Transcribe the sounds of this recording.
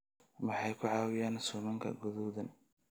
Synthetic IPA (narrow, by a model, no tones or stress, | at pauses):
mɑħɑjkʰʊʕɑːwɪjaːnsʊːmɐŋkʰɐ̰ɡɔðɔðɐn